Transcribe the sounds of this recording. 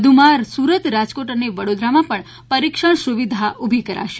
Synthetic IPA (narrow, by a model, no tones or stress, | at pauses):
d̪ʱumaɾsuɾət̪ɾad͡ʒkoʈəneʋəɽod̪ɾamãpəɳ | pəɾikʃəɳ̃suʋid̪ʱaʔubʱikəɾa̰ʃe